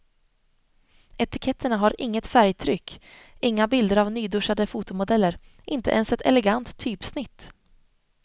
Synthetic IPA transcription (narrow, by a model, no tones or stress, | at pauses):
ɛt̪ɪkʰɛt̪ʰːəɳaɦaɾɪŋːət̪fæɾjt̪ʰɾʏkː | ɪŋːabɪld̪əɾavnyːd̪ɵʂad̪əfuːt̪ʊmʊd̪ɛlːəɾ | ʔɪnt̪ə̰ʔɛnsɛt̪ʰɛ̰lɛɡant̪ʰːyːpsnɪt̪ː